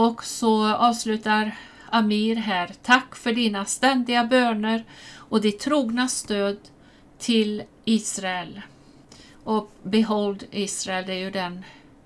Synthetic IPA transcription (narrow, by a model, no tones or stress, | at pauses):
ɔksɔɑːvslʉ̟ːt̪aɾ | amiːɾɦæːɾt̪ʰakːfœɖiːnast̪ɛnd̪ɪɡabøːnəɾɔd̪ɪt̪ʰːɾuːɡnast̪øːd̪ | t̪ʰɪl | iːsɾaɛl | ɔkbɛɦɔld̪iːsɾaɛld̪ɛːɾjɵd̪ɛn